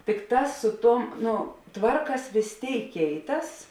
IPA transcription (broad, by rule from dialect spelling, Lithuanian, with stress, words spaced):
tʲɪkˈtɑːs sʊ ˈtuɔm ˈnoː ˈtʋɐrkɐs ʋʲeːs ˈtʲeːɪk ˈkʲɛɪˌtɐs